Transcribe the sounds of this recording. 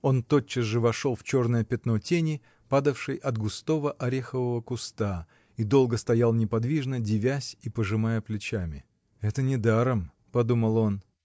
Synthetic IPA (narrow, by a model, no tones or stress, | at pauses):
o̞nt̪o̞t͡ɕːɪsʐɨvɐʂo̞lˠft͡ɕo̞rnəjəpʲɪt̪no̞tʲenʲɪ | pad̪əfʂɨjʔɐd̪ɡʊst̪o̞vəʔɐɾʲexəvəvəkʊst̪a | id̪o̞lˠɡəst̪ɐjalˠnʲɪpɐd̪vʲiʐnədʲɪvʲæsʲipəʐɨmajəplʲɪt͡ɕamʲɪ | ɛt̪ənʲɪd̪aɾəm | pɐd̪uməlˠo̞n